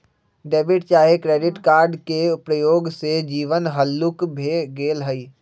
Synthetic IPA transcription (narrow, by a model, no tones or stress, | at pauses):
ɖeːbɪʈt͡ʃaːɦekɾeːɖɪʈkaːɾɖkepɾəjoːɡsed͡ʒiːʋənɦəlːʊkbʱeɡeːlɦəi